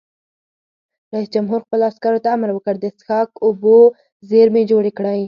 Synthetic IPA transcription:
ɾaisd͡ʒamɦuɾxpəloaskaɾot̪aamɾwəkəɽd̪əsxɑkobo | zeɾmed͡ʒoɽekɽaj

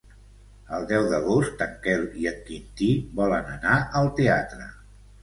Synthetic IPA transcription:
əlˠd̪ɛwðəɣost̪əŋkɛliət̪̚kint̪iβɔlənənaʔəlˠt̪eat̪ɾə

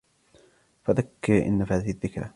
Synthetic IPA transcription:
faðakːɪɾʔɪ̰nːafaːðɪhɪðːɪkɾa

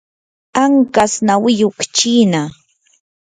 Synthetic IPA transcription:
aŋkasnawɪjokt͡ʃiːna

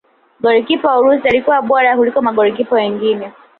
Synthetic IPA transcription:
ɡɔɾikipɔauɾusialikuwaɓɔɾakulikɔmaɠɔɾik̬ipɔwɛŋɡinɛ

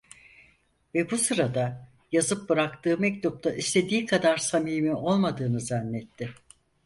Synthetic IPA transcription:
vɛbusɯɾad̪a | jazɯp̚bɯɾakt̪ɯːmɛc̚t̪up̚t̪ʰaʔist̪ʰe̞d̪iːkʰad̪aɾsamiːmio̞lˠmad̪ɯːnɯzanːɛt̪ʰːɪ

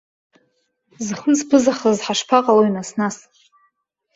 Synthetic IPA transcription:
zχənzpʰɨzaχəzħaʂpʰaqʼalojnasnas

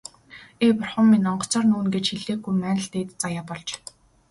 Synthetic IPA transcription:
eːpʊrχə̆mːinɔɴɢɞ̥̆t͡sɔːrnuːnɡet͡ɕxiɮeːɡujmæːnə̆ɬt̪eːt̪t͡sajaːpɔɮt͡ɕ

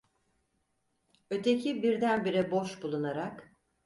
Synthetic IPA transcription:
ø̞t̪ʰecʰibiɾd̪ænbiɾɛboʃbulˠunaɾak

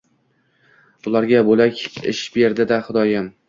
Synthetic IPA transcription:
ʊlˠaɾɡʲabolakʲɪ̰ʃbe̞ɾd̪ɪd̪aχʊd̪ɒjam

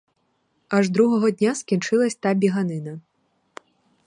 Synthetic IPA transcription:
ɐʐd̪ɾuɦɔɦɔd̪ʲnʲaskʲint͡ʂɪlˠɐsʲt̪abʲiɦanɪnɐ

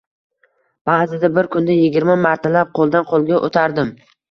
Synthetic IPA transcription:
b̥aːzɪd̪abɪɾkʰʊnd̪ajɪɡʲɪɾmamaɾt̪ʰalap̚qʰolˠd̪anqʰolˠɡʲaʔo̰t̪ʰaɾd̪ɪm

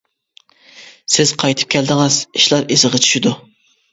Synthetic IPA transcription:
sɪz̥qʰɑjt̪ʰɨ̥p̚kʲʰɛld̪ɨŋɑz̥iʃlˠɑɾezɨʁɑt͡ʃʰy̥ʃid̪u

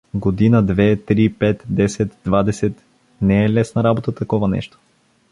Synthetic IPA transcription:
ɡod̪inəd̪vɛt̪ɾipɛt̪d̪ɛsɛt̪d̪vad̪ɛsɛt̪ | nɛɛlɛsnəɾabot̪ət̪ɐkɔvanɛ̰ʃt̪o̥

